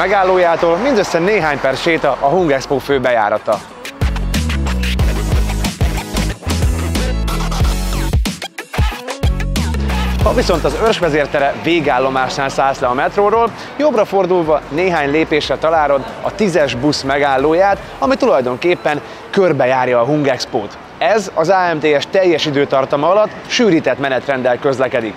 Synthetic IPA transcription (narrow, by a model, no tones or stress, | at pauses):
mɛɡaːlːoːjaːt̪oːlmind̪øsːɛneːɦaːɲpɛrʃeːt̪ɒʔɒɦuŋɡɛkspoːføːbɛja̰ːɾɒt̪ɒ | hɒviso̞n̪t̪ɒzørʒʋɛzeːrt̪ɛɾɛveːɡaːlːo̞maːʃnaːnsaːslɛɒmɛt̪roːɾoːl | jo̞brɒfo̞rd̪ulvɒneːɦaːɲleːpeːʃrɛt̪ɒlaːɾo̞d̪ɒt̪izɛʒbusmɛɡaːlːoːjaːt̪ | ɒmit̪ulɒjd̪o̞ŋkeːpːɛn | kørbɛjaːrjɒːɦuŋɡɛkspoːt̪ | ɛzɒzaːɛmt̪eːɛʃt̪ɛjːɛʃid̪øːt̪ɒrt̪ɒmɒɒlɒt̪ːʃyːɾiːt̪ɛt̪mɛnɛt̪rɛnd̪ɛlkø̞zlɛkɛd̪ik